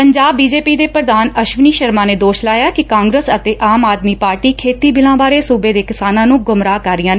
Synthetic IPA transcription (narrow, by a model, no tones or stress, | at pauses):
pəɲd͡ʒaːbːiːd͡ʒeːpiːd̪eːpɾəd̪aːnəʃʋniːʃəɾmãːneːd̪oːʃlaːjaːkɪkãːŋɡɾeːsət̪eːʔaːmaːd̪miːpaːɾʈiːkʰeːt̪iːbɪlãːbaːɾeːsuːbeːd̪eːkɪsaːnãːnũːɡʊmɾaːkəɾːɪjãːn